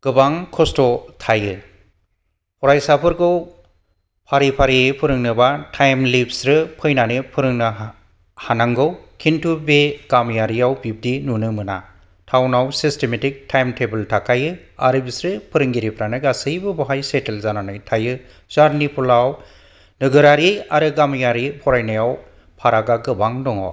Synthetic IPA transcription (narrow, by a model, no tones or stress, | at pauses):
ɡ̥ɯbaŋkʰɔstɔtʰajɯ | ɔɾajsapʰɯɾɡɯw | pʰaɾipʰaɾiepʰɯɾɯŋnɯbatʰajmlipsɾɯpʰɯjnanɯpʰɯɾɯŋna | hanaŋɡɯwkʰintʰubeɡ̥amjaɾijawbip̚dinunɯmɯna | tʰawnawsistemetik̚tʰajmtʰebɯltʰakʰajɯ | a̰ɾɯbisɾɯpʰɯɾɯŋɡiɾipʰɾanɯɡasɯjbɯbɔɦajsetelzananɯjtʰajɯ | z̥aɾnipʰɔlaw | nɯɡɯɾaɾejaɾɯɡamjaɾipʰɔɾajnajaw | pʰaɾaɡaɡɯbaŋdɔŋɔ̰